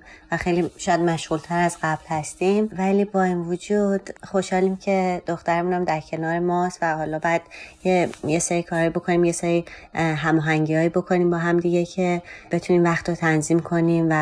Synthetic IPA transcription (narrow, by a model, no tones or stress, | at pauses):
væxejliːʃɔːjæd̪mæʃɣult̪ʰæɾæzɢæblhæst̪imvæliːbɒːinvod͡ʒud̪̥xo̞ʃhɒːliːmcʰe̞d̪̥oxt̪æɾemuːnæmd̪æɾcʰe̞nɒːɾemɒːst̪væhɒːlɒːbɒjæd̪̥jejeseɾiːkʰɒːɾɒːjibo̞kʰo̞niːmje̞sɛɾiːɦæmɒːɦæŋɟiːhɒːjibo̞kʰo̞niːmbɒːɦæmd̪iɟecʰe̞b̥e̞t̪ʰuniːmvæχt̪ɾot̪ʰænziːmkʰo̞niːmvæ